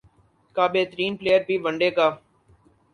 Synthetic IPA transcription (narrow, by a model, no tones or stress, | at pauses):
kaːbeːt̪əɾiːnpleːjəɾbʱiːʋəɳɖeːkaː